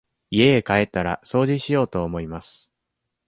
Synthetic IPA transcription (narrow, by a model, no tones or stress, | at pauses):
ie̞ekae̞t̪ːaɾa̰so̞ːʑiɕijo̞ːt̪o̞ːmo̞imasɨ̥